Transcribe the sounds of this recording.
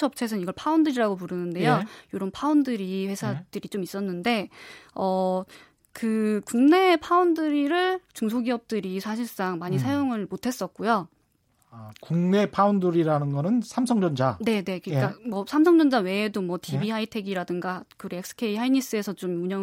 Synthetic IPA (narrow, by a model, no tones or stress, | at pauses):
ʌp̚t͡ɕʰes̬ʰʌniɡʌɭpʰaundɯɾiɾaɡop̬uɾɯnɯnde̞jojoɾʌmpʰaundɯɾiɸe̞sʰad̥ɯɾit͡ɕomis͈ʌnːɯnde̞ʌ | kɯkuŋne̞pʰaundɯɾiɾɯɭt͡ɕuŋsʰoɡiʌp̚t͈ɯɾisʰaɕ̬ʰiɭs͈aŋmaɲisʰajoŋɯɭmotʰe̞s͈ʌk̚k͈ojo | kuŋne̞pʰaunduɾiɾanɯnɡʌnɯnsʰamsʰʌŋd͡ʑʌnd͡ʑane̞ne̞kɯik͈amwʌsʰamsʰʌŋd͡ʑʌnd͡ʑawe̞ːdomwʌtʰibihaitʰe̞ɡiɾadɯŋɡakɯɾoek̚s͈ʰɯ̥kʰe̞iɦainis͈ɯe̞sʰʌt͡ɕomuɲʌ